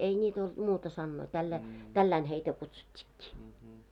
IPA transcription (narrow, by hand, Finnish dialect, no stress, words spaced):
ei nʲiːt old̥ muːtɑ sɑnːoi tælːæi tælːæin heitæ kutsutʲːi̥kːi̥